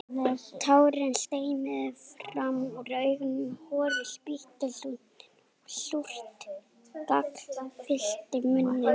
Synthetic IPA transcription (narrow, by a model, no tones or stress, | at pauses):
t̪ʰaːwɾɪnst̪eːjnɪðfɾamɔrœɥɣnhɔːðɪspiht̪ɪɬu | ɬur̥t̪ | kakfɪl̥t̪ɪmʏnːɪ